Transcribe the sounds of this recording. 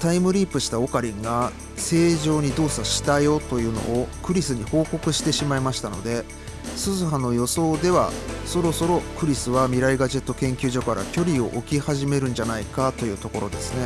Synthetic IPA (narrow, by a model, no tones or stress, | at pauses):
t̪aimɯ̟ɾʲiːpɯ̟ɕi̥t̪ao̞kaɾʲĩŋɡa | se̞ːʑo̞ːɲ̟id̪o̞ːsaɕi̥t̪ajo̞t̪o̞jɯ̟ːno̞̰ːkɯ̟ɾʲisɨɲ̟iho̞ːko̞kɯ̟ɕi̥t̪e̞ɕimaimaɕi̥t̪ano̞̰d̪e̞ | sɨzɨɦano̞jo̞so̞ːd̪e̞βaso̞ɾo̞so̞ɾo̞kɯ̟ɾʲisɨβamʲiɾaiɡaʑe̞t̪ːokẽ̞ŋkʲɨːʑo̞kaɾʔa̰kʲo̞ɾʲio̞̰ʔokʲihaʑime̞ɾɯ̟̃nɲ̟d͡ʑanaikat̪o̞jɯ̟ːt̪o̞ko̞ɾo̞d̪e̞sɨne̞